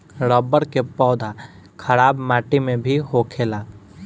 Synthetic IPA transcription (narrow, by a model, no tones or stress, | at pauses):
ɾɔːbəɾkepɔːd̪ʱa | kʰəɾaːbmaːʈimẽbʱiɦokʰeːlaː